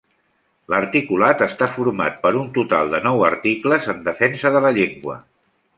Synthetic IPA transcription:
ləɾt̪ikulat̪əst̪afuɾma̰t̪̚pəɾunt̪ut̪a̰lˠd̪ənɔwəɾt̪ikləzənd̪əfɛnsəðələʎeŋɡwə̰

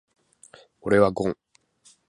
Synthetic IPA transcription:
uɾewaɡɔ̃

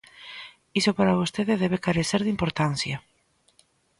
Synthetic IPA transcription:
isopaɾaβ̞ost̪eðeðɛβekaɾeθeɾðimpoɾt̪anθjɐ

